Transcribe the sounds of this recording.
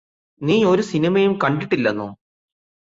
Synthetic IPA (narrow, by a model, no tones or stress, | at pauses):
niːo̞ɾusinimɐjumkɐɳɖiʈːilːɐnːo̰ː